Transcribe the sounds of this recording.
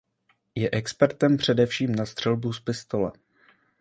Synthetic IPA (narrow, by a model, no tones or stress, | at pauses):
jɛʔɛkspɛɾt̪ɛmpr̝̥ɛdɛfʃiːmnast̪r̝̥ɛlbuspɪst̪o̞lɛ̰